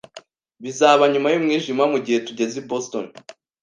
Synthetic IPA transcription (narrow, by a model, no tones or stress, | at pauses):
βizaβaɲumajumŋiːʒimamuɟihe̞tuɟe̞ziboston